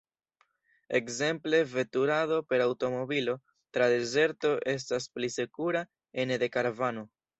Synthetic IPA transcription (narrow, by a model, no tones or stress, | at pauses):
e̞kze̞mple̞ve̞tuɾaðo̞pe̞ɾawto̞mo̞bilo̞ | tɾade̞ze̞ɾto̞ʔe̞s̬tasplisekuɾa | enede̞kaɾvano̞